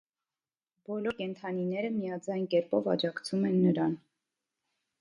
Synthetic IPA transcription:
bɔlɔɾkɛnt̪ʰɑninɛɾəmijɑd͡zɑjnkɛɾpɔvɑ̰d͡ʒɑkt͡sʰumɛnːəɾɑn

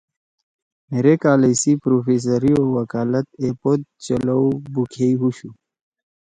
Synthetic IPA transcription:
meːɾekaːlesipɾoːfeːs̬əɾiowəkaːlət̪̚eːpod̪̚t͡ɕəlawbukʰeiɦuɕu

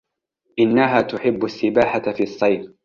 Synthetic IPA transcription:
ʔɪnːaɦaːt̪ʊħɪbːasːɪbaːħafiːʔɑsˤːɑjf

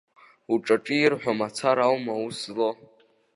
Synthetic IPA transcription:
uʈ͡ʂʼaʈ͡ʂʼiirħʷᶣamat͡sʰaɾawmauslo

